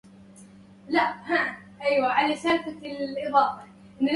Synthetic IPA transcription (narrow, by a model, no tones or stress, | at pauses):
laʔhaʔ | ʔajwaʕalasalfakɪlʔɪðˤɑːfɑ | ʔɪnːl